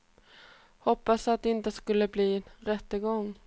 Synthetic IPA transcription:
hɔpːasat̪̚d̪ɛɪnt̪əskɵlːəbliːɾɛt̪ːəɡɔŋː

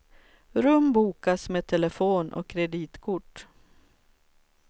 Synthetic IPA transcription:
ɾɵmbuːkasmeːt̪ʰɛlɛfoːnʔɔ̰kʰːɾɛd̪iːt̪kʰʊʈː

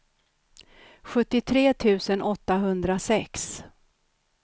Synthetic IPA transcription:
ɧɵt̪ːɪt̪ʰɾeːt̪ʰʉ̟ːsənʔɔt̪ːaɦɵnd̪ɾasɛks

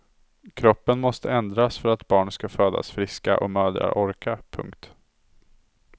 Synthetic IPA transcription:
kʰɾɔpːənmɔst̪əɛnd̪ɾasfœɾat̪bɑːɳskaføːd̪a̰sfɾɪska̰ʔɔmœːd̪ɾa̰ʔɔɾkapʰɵ̰ŋkt̪

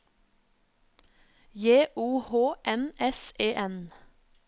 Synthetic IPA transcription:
jeːʔuːhoːʔɛnɛseːʔɛn

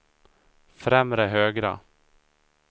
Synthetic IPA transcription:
fɾɛmɾəɦøːɡɾa̰

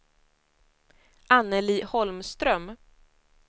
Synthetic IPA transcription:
ʔanːəliːhɔlmst̪ɾœm

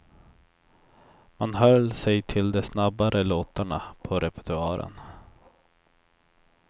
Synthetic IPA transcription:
manɦœlsɛjt̪ʰɪld̪ɛsnabaɾəloːt̪aɳapʰɔɾɛpə̥t̪ɵaːɾə̰n

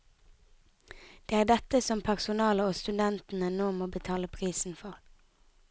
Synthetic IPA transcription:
d̪̥eːæːʁd̪ɛt̪əsɔmpʰæʁsʊnɑːləʁoːst̪ʉd̪ɛnt̪n̩ənoːmoːbət̪ʰɑːləpʰʁiːsn̩fɔʁ

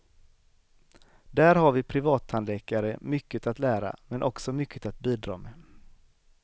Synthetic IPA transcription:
d̪æːɾɦaɾvɪpʰɾɪvɑːt̪ʰand̪lɛːkaɾəmʏkːət̪at̪læːɾa̰mɛnʔɔksɔmʏkʰːət̪at̪̚biːd̪ɾɑ̰ːmeː

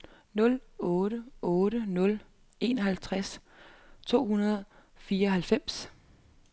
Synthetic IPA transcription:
nɔ̽lɔːɾ̥əɔ̽ːɾənɔ̽l | e̝nɒɦælt͡sʰʁas | t͡sʰo̝̰ːhunɐð̞̩ˠfiːɐɒɦælfem̰s

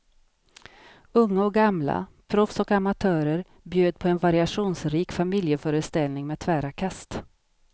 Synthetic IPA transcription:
ɵŋːaɔk̚ɡamla̰pʰɾɔfsɔkamat̪ʰœːɾəɾ | bjøːd̪̚pʰɔɛnvaɾɪaʂuːnsɾiːkfamɪljəfœːɾəst̪ɛlnɪŋmeːt̪ʰvæːɾakʰast̪

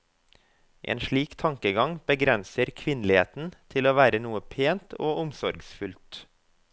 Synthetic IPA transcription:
ʔḛːnʃɭiːkt̪ʰɑŋkəɡɑŋb̥əɡɾɛnsəɾkʰʋɪnlɪhḛːt̪n̩t̪ʰɪloːʋæːɾənuːəpʰeːnt̪ʰoːʔʊmsɔɾɡsfʉlt̪

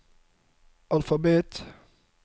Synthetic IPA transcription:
ʔalfɑbeːt̪

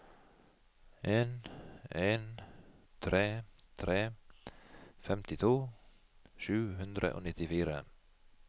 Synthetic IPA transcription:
ʔeːneːnt̪ʰɾeːt̪ʰɾeː | fɛmt̪ɪt̪ʰuː | ʃʉːɦɵnd̪ɾʔə̰ʔo̰ːnɪt̪ɪfiːɾə

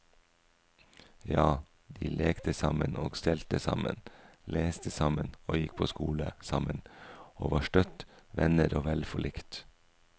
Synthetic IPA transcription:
jɑː | d̪iːleːkt̪ʰəsɑmənʔoːɡst̪ɛlt̪əsɑ̰mə̰n | leːst̪əsɑmənoːjɪk̚pʰoːskuːləsɑmənoːʋɑːʃʈœt̪ʋɛnəɾoːʋɛlfɔɭʔɪkt̪

